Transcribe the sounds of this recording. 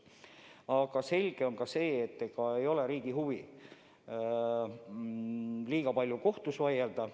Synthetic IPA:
ɑɡ̥ɑse̞lʲɡ̥e̞o̞nkɑse̞ːt̪ːekɑe̞jo̞le̞ɾiːɡ̥iɦuvi | liːɡ̥ɑpɑlʲjuko̞ht̪usvɑjeld̪̥ɑ

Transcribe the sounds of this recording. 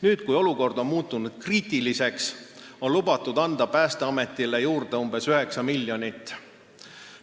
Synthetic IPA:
nyːt̪kujo̞luko̞rd̪̥o̞nmuːt̪ːˑunud̪̥̚kriːt̪ˑilise̞kso̞nlubɑt̪ːˑud̪̥ɑnd̪̥ɑpæːst̪eɑme̞t̪ːˑilejuːrd̪̥e̞umb̥e̞syɦe̞ksɑmilʲːjo̞nit̪ːˑ

